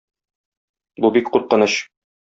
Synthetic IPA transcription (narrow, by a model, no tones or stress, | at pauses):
bubik̚qut̪̚qɤ̆nɤɕ